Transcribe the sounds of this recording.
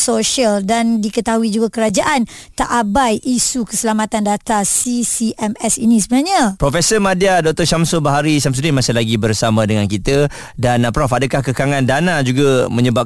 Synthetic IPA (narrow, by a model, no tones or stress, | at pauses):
soʃialdandikət̪aɦuid͡ʒuɡakəɾad͡ʒaʔant̪aʔabajʔisukəsəlamat̪andat̪asisiʔɛmɛsinĩsəbənaɲə̃pɾɔfɛsəmadiadɔk̚t̪ɔʃamsobəɦaɾisams̬udɪnmasɪlaɡibərsamãdəŋankit̪ə | danpɾɔfadəkahkəkaŋãndanad͡ʒuɡamə̃ɲəbap̚